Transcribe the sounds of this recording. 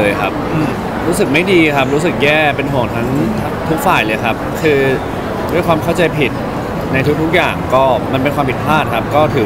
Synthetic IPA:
jkʰa˦˥p̚ | ɾuː˦˥sɯ˨˩k̚ma˥˩jdiː˧kʰa˦˥p̚ɾuː˦˥s̬ɯ˨˩k̚jɛː˥˩pe˧nɦu˨˩əŋt̪ʰa˦˥ŋ | t̪ʰu˦˥k̚faː˨˩jlɤː˧jkʰa˦˥p̚kʰɯː˧ | du˥˩əjkʰwaː˧mkʰa˥˩wt͡ɕa˧jpʰi˨˩t̪̚ | na˧jt̪ʰu˦˥k̚t̪ʰu˦˥k̚jaː˨˩ŋkɔː˥˩ma˧npe˧nkʰwaː˧pi˨˩t̪̚pʰaː˥˩t̪̚kʰa˦˥p̚kɔː˥˩t̪ʰɯː˩˦

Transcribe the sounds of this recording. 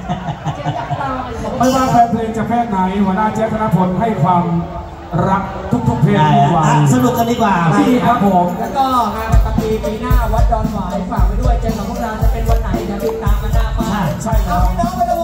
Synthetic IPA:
a˧˩a˧˩˦ma˥˩jwaː˥˩pʰɛː˧˥pʰɯː˧nt͡ɕa˨˩pʰɛː˥˩t̪̚na˨˩˦jɦu˨˩˦ənaː˥˩t͡ɕɛː˦˥t̪ʰa˧na˦˥pʰo˧nɦa˥˩jkʰwaː˧m | ɾa˦˥k̚t̪ʰu˦˥k̚t̪ʰu˧˥˩pʰiː˧t̪ʰːi˥˩waː˧a˧˩sa˧nu˨˩k̚kːa˧ndiː˦˥˩kwaː˨˩a˧˥iː˧˩kʰa˦˥pʰo˨˩˦mlɛː˦˥kɔː˥˩na˦˥ʔa˧˩t̪a˧ŋpiː˧piː˧˩naː˥˩wa˦˥t̪̚dɔː˧nwaː˨˦jkʰaː˨˩ma˧jdu˥˩əjt͡ɕe˧˩ɔ˨˩˦kʰu˧˥˩laː˧t͡ɕ̪a˨˩pe˧nwo˦˥t̪̚na˩˦jna˧˦˥li˧˩t̪aː˨˦mka˧˩naː˧˥˩maa˥˩t͡ɕʰa˥˩jkʰa˦˥p̚

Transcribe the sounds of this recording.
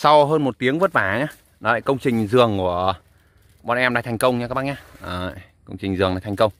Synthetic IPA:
sa˧wɦəː˧nmo˨˩t̚t̪i˨˦əŋvə˦˥t̚vaː˧˩˨ɲaː˧ | nɔ˨la̰ː˧˨kə˧wŋ͡mt͡ɕï˨˩ŋ̟zɨ˨˩əŋku˧˩ə | ɓɔ˨˩nʔɛ˧mɗaː˧t̪ʰŋkə˧wŋ͡mɲa˧kːaː˦k̚ɓa˧˥ɲaː˧ʔəː˧˩ | kə˧wŋ͡mt͡ɕï˨˩ŋ̟zɨ˨˩əŋɗaː˧˦t̪ʰŋkə˧wŋ͡m

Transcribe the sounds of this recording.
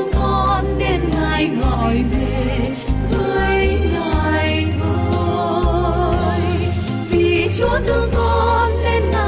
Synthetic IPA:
kɔ˧nɗe˧nŋaː˧˩jŋɔ˧˨jve˨˩ | ŋəː˧jŋa˨˩j | t̪o˧ | j | vi˨˩t͡ɕu˨˦t̪ʰɨ˧kɔ˧nɗe˧na˧

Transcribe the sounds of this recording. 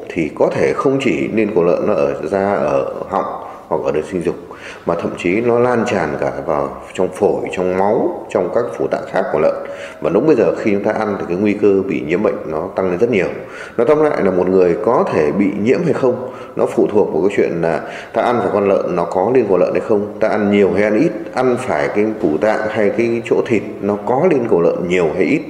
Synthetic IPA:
t̪ʰi˨˩kɔ˨˦t̪ʰe˧˩xə˧wŋ͡mt͡ɕi˧˩ne˧nko˧˩lə̰ː˧˨nːɔ˨˦ʔəː˧˩zaː˧ʔəː˧˩hɔ̰˧˨wŋ͡m | hwa˨˩k̚ʔəː˧˩ɗə˨˦nsi˧ŋzʊ˨˩k͡p̚ | maː˨˩t̪ʰə̰˧˨mt͡ɕi˨˦nɔ˨˦laː˧nt͡ɕaː˨˩nkaː˧˩vaː˨˩w | t͡ɕɔ˧wŋ͡mfo˧˩jt͡ɕɔ˧wŋ͡mma˨˦wt͡ɕɔ˧wŋ͡mkaː˦˥kfu˧˩t̪a̰ː˧˨nxaː˦˥k̚kːu˧˩ələ̰ː˧˨nvaː˨˩ɗʊ˨˦ŋ͡mɓə˧jzəː˨˩xi˧t͡ɕʊ˨˦ŋ͡mt̪aː˧ʔa˧nt̪ʰi˨˩kaː˨˦jŋwi˧kəː˧ɓḭ˧˨ɲḭ˧˥əmɓə̰˧˨jŋ̟nɔ˨˦t̪a˧ŋle˧nzə˦˥t̚ɲi˨˩əw | nɔ˨˦t̪a˦˧ŋ͡m̚la̰ː˧˨jlaː˨˩mo˨˩t̚ŋɨ˨˩əjkɔ˨˦t̪ʰe˧˩ɓḭ˧˨ɲḭ˧˥əmɦa˧jxə˧wŋ͡m | nʔɔ̰˨˦fṵ˧˨t̪ʰu˨˩ək̚mu˨˩kaː˨˦t͡ɕwḭ˧˨ənlaː˨˩ | t̪a̰ː˧ʔa˧nvaː˨˩jkwa˧nlə̰ː˧˨nːɔ˨˦kɔ˨˦li˧nkə˨˩lə̰ː˧˨nha˧jxə˧wŋ͡mt̪aː˧ʔa˧nɲi˨˩əwɦa˧jʔa˧nʔi˦˥t̚ʔa˧nfaː˧˩jkaː˨˦jku˧˩t̪a̰ː˧˨ŋha˧jkaː˨˦jt͡ɕo̰˧˥t̪ʰi˨˩t̚nɔ˨˦kɔ˨˦li˧ənkə˨˩lə̰ː˧˨nɲi˨˩əwɦa˧jʔi˦˥t̚

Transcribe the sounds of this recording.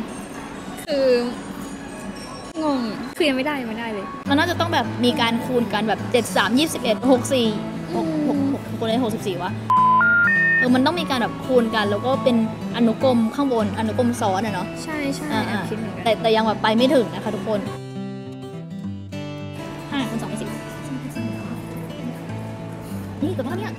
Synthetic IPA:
kʰɯː˧ | ŋo˧˩ŋkʰɯː˧ma˥˩jdaː˥˩jma˥˩jdaː˥˩jlː | ma˧nːaː˥˩t͡ɕa˨˩t̪ɔ˥˩ŋbɛː˨˩p̚miː˧kaː˧nkʰuː˧nka˧nbɛː˨˩p̚t͡ɕe˨˩t̪̚saː˩˦mjiː˥˩p̚si˨˩p̚ʔe˨˩t̪̚ho˨˩k̚siː˨˩ | ho˨˩k̚ho˨˩k̚ho˨˩k̚ʔkʰo˧nda˥˩hk̚si˨˩p̚siː˨˩wa˦˥ʔ | lɛ˧˥ma˧nt̪̬ɔ˥˩ŋmiː˧kaː˧nbɛː˨˩p̚kʰuː˧nka˧nlɛː˦˥wkɔː˥˩pe˧n | ʔa˧nu˦˥ko˧mkʰaː˥˩ŋwo˧nʔa˧nu˦˥ko˧msɔː˨˩˦nʔa˨˩nɔ˦˥t͡ɕʰa˥˩jt͡ɕʰa˥ʔaː˨˩ʔaː˧˩i˧t̪ɛː˨˩t̪ɛː˨˩ja˧ŋbɛː˨˩pːa˧jma˥˩jt̪ʰɯ˨˩˦ŋna˦˥kʰa˦˥t̪ʰu˦˥kʰo˧n | ʔaː˧˩kʰu˧nsɔː˨˦pʰːsi˨˩˧sɔ˩˦ŋpʰa˧˩si˨˩˨a˥˧˩ | niː˦˥˩kːpʰa˥˩ni˦˥˩

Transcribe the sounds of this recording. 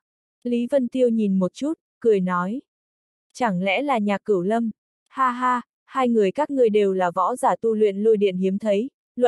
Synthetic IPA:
li˨˦və˧nt̪i˧əwɲi˨˩nmo˨˩t̚t͡ɕu˦˥t̚kɨ˨˩əjnɔ˨˦j | t͡ɕa˧˩ŋlɛ̰˧˥laː˨˩ɲaː˨˩kɨ˧˩wlə˧m | haː˧ɦaː˧ | haː˧jŋɨ˨˩əjkaː˦˥k̚ŋɨ˨˩əjɗe˨˩wlaː˨˩vɔ̰˧˥zaː˧˩t̪u˧lwḭ˧˨nlu˧jɗḭ˧˨ənhi˨˦əmt̪ʰə˨˦j | lə̰˧˨

